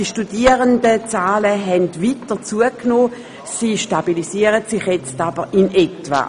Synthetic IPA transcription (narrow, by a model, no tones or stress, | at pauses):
diʃtudiəʁəndət͡saːləɦɛndvitət͡suəknoː | siʃtabilisiəʁətsɪχjɛt͡stab̥əʁɪnɛtva̰